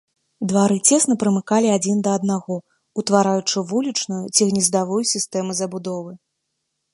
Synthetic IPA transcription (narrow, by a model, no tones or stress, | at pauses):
d̪vaɾɨt͡sʲɛsnɐpɾɨmɨkalʲiad͡zʲind̪ɐɐd̪̚naɣɔ | ut̪vaɾajut͡ʂɨvulʲit͡ʂnujut͡sʲiɣnʲizd̪avujusʲist̪ɛmɨzɐbud̪ɔvɨ